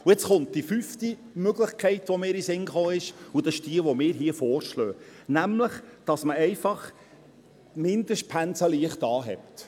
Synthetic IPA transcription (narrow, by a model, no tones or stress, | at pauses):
uɛt͡sχʊnt̚d̥ifyfti | møɡləχkʰɛɪtʋɔmɪːɾisɪŋχoːɪʃud̥ɑsɪʃd̥iəʋɔmɪːɾɦiəfoːrʃlœːnæmləχd̥ɑsməɛɪfɑχ | mɪnd̥̪əʃt̚pʰænsəliəχtɑːɦɛ̰pt